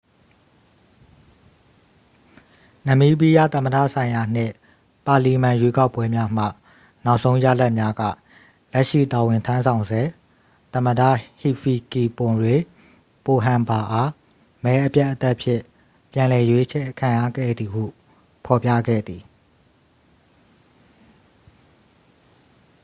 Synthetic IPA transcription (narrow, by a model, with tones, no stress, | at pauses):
nə̃˨mi˦bi˦jä̰˦˨t̪ə̃˨mə˨dä̰˦˨sʰã˨ɪ̃ja˨n̥ɪ̰̃˦˨ | pa˨li˨mã˨jwe˦ka˦ʊpwɛ˦mja˦m̥ä̰˦˨ | na˦ʊʔsʰõ˦ʊ̃ja̰˦˨la˦ʔmja˦ɡä̰˦˨ | lɛ˦ʔʃḭ˦˨ta˨wɪ̃˨ntʰã˦nsʰã˨ʊ̃nzɛ˨ | t̪ə̃˨mə˨dä̰˦˨hi˨fi˨ki˨pʊ̃˨dwẽ˨ | po˨ɦã˨mba˨ʔa˦ | mɛ˦ʔəpja˦ʔːət̪ɛ˦ʔpʰjɪ̰̃˦˨ | pjã˨lɛ˨jwe˦ʔə˦t͡ɕʰɛ˦˨kʰã˨ja̰˦˨ɡɛ̰˦˨d̪i˨hṵ˦˨ | pʰɔ˨pja̰˦˨ɡɛ̰˦˨d̪i˨